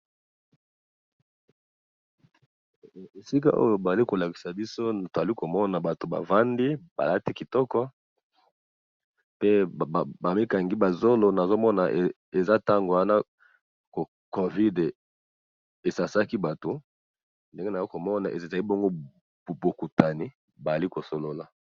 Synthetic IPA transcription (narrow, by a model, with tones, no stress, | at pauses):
e˨si˦ka̰˦ʔo̰˦jo˨ba˨a˨li˦ko˨la˨ki̥˨sa˨bi˦so˦˨to˨za˨li˦ko˨mɔ˦na˨ba˨to˨ba̰˨va˦ndi˦ba̰˨la˦ti˦ki˨tɔ˦kɔ˦ | pe˦˨ba˨mi˦ka˨ŋɡi˦ba˨zo˦lo˨na˨zo˦mɔ˦na˨ʔ | e˨za˦ta˦ŋɡo˨wa˦na˦ | ko˨ | ko˨vi˦d | e˨sa˨sa˦ki˦ba˨to˨ | nde˦ŋɡe˦na˨o˦ko˨mɔ˦na˨ʔe˨za˨li˦bɔ˦ŋɡo˦˨ | bo˨ku˨ta˨ni˦ | ba˨a˨li˦ko˨so˨lo˦la˨